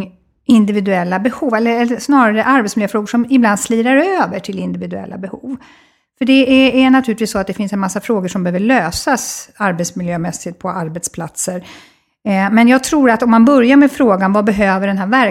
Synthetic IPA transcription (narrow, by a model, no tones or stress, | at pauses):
ɪnd̪ɪvɪd̪ɵɛlːabɛhuːvɛlːəɾɛlːəʂnɑːɾaɾəʔaɾbɛt̪smɪljøːfɾoːɡəʂɔmɪbland̪sliːɾaɾøːvəʈʰɪlɪnd̪ɪvɪd̪ɵɛ̰lːa̰bɛhṵːv | fœɖɛæːnat̪ʰʉːlɪt̪viːsɔat̪d̪ɛfɪnsɛnmasːafɾoːɡəʂɔmbɛhøːvəɭøːsasaɾbɛt̪smɪljøːmɛsːɪt̪̚pʰɔaɾbɛt̪spʰlat̪səɾ | mɛnjɑːɡ̚t̪ʰɾuːɾat̪ɔmːanbœɾjaɾmɛfɾoːɡanvabɛɦøːvəɖɛnɦæːɾvæɾ